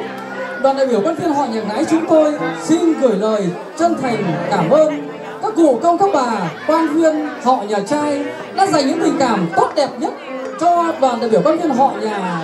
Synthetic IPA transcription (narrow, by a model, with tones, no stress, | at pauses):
ɗwaː˨˩nɗa̰ː˧˨jɓi˧˩əkwaː˧nvi˧ənɦɔ̰˧˨ɲaː˨˩ŋaː˨˦jt͡ɕʊ˨˦ŋ͡mt̪o˧jsi˧nɣɨ˨˧˩əjləː˨˩j | t͡ɕə˧nt̪ʰa˨˩jŋ̟kaː˧˩mʔəː˧n | kaː˦˥k̚kːṵ˧˨kə˧wŋ͡mkaː˦˥k̚ɓaː˨˩kwaː˧nvi˧ənhɔ̰˧˨ɲaː˨˩t͡ɕaː˧j | ɗa̰ː˧˥za̰˧˩jŋɲɨ̰˧˥ŋɓï˨˩ŋ̟kaː˧˩mt̪o˦˥t̚ɗɛ˨˩p̚ɲə˦˥t̚t͡ɕɔ˧ɗwaː˨˩nɗaː˨jɓi˧˩wkwaː˧nvi˧ənɦɔ̰˧˨ɲaː˨˩